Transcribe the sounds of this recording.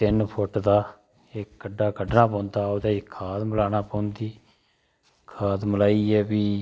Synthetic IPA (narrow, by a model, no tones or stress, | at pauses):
t̪ɪnpʰʊʈd̪aː | eːkːəɖːaːkəɖnaːpɔ̃ːnd̪aːoːd̪aːɪkʰaːt̪məlaːnaːpɔ̃ːnd̪iː | kʰaːt̪məlaːiːɛːbiː